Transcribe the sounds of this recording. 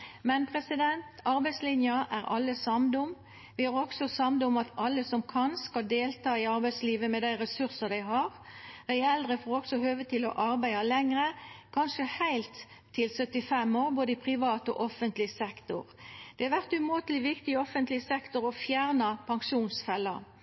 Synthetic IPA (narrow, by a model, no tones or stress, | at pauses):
mɛnpʰʁɛsɪd̪ɛnt̪ɑɾbæɪslɪnjɑʔæʁɑ̰lːəsɑmd̪ʊm | ʋɪhɑʁɔksɔsɑmd̪ʊmɑt̪ʰɑlːəsɔmkʰɑnskɑld̪eːlt̪ʰɑːɪɑɾbæɪsliːʋəmɛd̪æɪɾɛsʉʁsəʁd̪æɪɦɑʁ | d̪æɪɛld̪ʁəfoːʁɾɔksɔɦøːʋət̪ʰɪlɔ̰ʔɑɾbæɪɑlɛŋɾəkʰɑnʂəhæɪlt̪ʰː | ɪlsœt̪ːɪfɛmoːʁboːd̪əɪpʰʁɪʋɑːt̪ɔ̰ʔɔfənt̪lɪsɛkt̪ʊʁd̪̥ɛhɑʋæʁt̪ʉmot̪lɪʋɪkt̪ɪɔfənt̪lɪsɛkt̪ʊɾɔfjæːʁnɑpʰɑŋʂuːnsfɛlːɑ